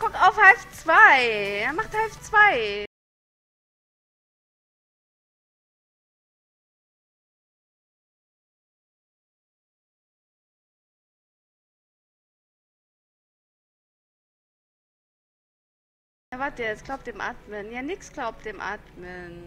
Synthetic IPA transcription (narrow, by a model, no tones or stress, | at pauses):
ɡ̥ʊkaʊfhalft͡sv̥aɪɛɐmaχthalft͡sv̥aɪ | avaɐt̚d̥iːɛsɡ̥laʊp̚td̥eːmʔa̰ːtmənjaːnɪksɡ̥laʊp̚t̚d̥eːmʔa̰ːtmən